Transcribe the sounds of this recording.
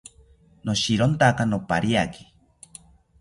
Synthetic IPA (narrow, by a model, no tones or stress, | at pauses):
noʃiɾont̪akanopa̰ɾiaki̥